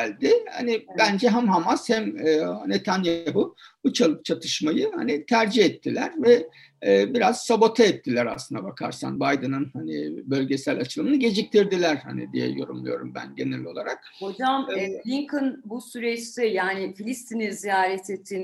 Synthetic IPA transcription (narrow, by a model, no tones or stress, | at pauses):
ælʲd̪ɪha̰nibænd͡ʒɛɦæmɦamashæmːnet̪ʰanjaɦubut͡ʃʰalˠɯp̚t͡ʃʰat̪ʰɯʃmajɯha̰nit̪ʰæɾd͡ʒihɛt̪ʰːilʲæɾvɛː | biɾaz̥sabot̪ʰaɛt̪ʰːilʲæɾa̰slˠɯnd̪abakʰa̰ɾsa̰nbajd̪ɯnɯnhanḭbø̞lʲɟe̞sælʲat͡ʃʰɯlˠɯmɯnɯɟe̞d͡ʒic̚t̪ʰiɾd̪ilʲæɾha̰nḭd̪ḭjɛ̰jo̞ɾumlˠujo̞ɾumbæ̰nɟe̞nɛlʲo̞lˠaɾak̚hod͡ʒamɛlʲiŋkʰɯnbusyɾɛt͡ʃsɛjaːnɪfilʲist̪ʰininzijaːɾɛt̪ʰet̪ʰːin